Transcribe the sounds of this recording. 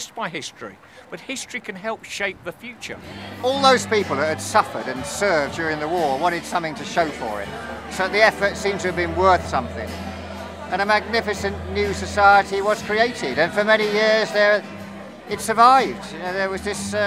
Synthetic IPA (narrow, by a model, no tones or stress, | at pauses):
sb̥aɪɦɪstɹ̥ḭ | b̥ʌt̚hɪstɹ̥ikʰɨ̃nɦɛlˠpʃeɪp̚ðəfjʉt͡ʃə̰˞ɔlˠðoʊz̥pipl̩ˠðɨt̚hɨd̥sʌfə̰˞ɾɨ̃nsɜ˞vdd͡ʒjʊɹɪ̃ŋðəwɔɹwɑ̃ɾ̃ɨd̥sʌ̃mθɪ̃ŋtʰɨʃoʊfə̰˞ɪ̰t̚ | soʊt̪ðiɛfə˞tsĩmtʰɨːvbɨ̃nwɜ˞θsʌ̃mθɪ̰̃ŋ | ʔɨ̃ñɨmæɡ̚nɪfɨsɨ̃nnjʉsɨsaɪəɾiwʌz̥kʰɹ̥ieɪɾɪɾɨ̃nfə˞mɛñijɪɹzðə˞ | ɨtsə˞vaɪvd | ðə˞wʌzðɪs